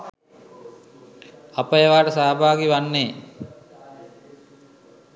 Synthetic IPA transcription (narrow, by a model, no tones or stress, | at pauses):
apəjeʋaːʈəsaːbʱaːɡiʋanːeː